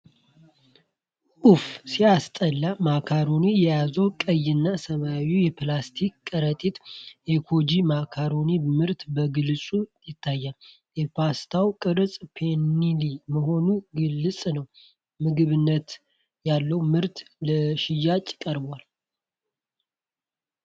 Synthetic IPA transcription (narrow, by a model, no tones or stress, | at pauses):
ʔufsiast̪ʼəlːamakʰaɾonijɛjazəwkʼəjɪnːasəmawujɛplast̪ʰikkʼəɾət̪ʼit̪ekʰo̞d͡ʒimakʰaɾonimɨɾt̪bəɡɨlsʼujɪt̪ʰːajːal | jɛpʰast̪ʰawkʼɨɾsʼpʰenːiliməɦo̞nuɡɨlːɨsʼnəw | mɨɡɨβɨnːət̪ | jalːəwmɨɾt̪ləʃɪjːat͡ʃʼːkʼəɾbal